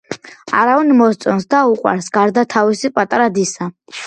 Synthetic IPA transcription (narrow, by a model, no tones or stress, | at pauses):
aɾavɛnmɔst̪sʼɔnsd̪auqʼwa̰ɾsɡaɾd̪at̪ʰavisipʼat̪ʼaɾad̪isa